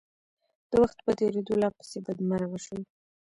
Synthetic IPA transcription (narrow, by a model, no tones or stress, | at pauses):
d̪̥əwaxt̪pət̪eɾed̪olɑpə̥sebad̪maɾawaʃəw